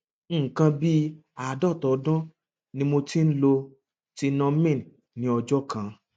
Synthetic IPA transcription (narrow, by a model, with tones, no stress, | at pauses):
kã˧bi˦ | a˨dɔ˦˨tɔ˨˦dɔ̃˦ | nĩ˧mo˧ti˦n̩˦lo˧ | ti˧nɔ̃˧mĩ˦˨ | nĩ˨˦ɔ˧d͡ʒɔ˦kã˧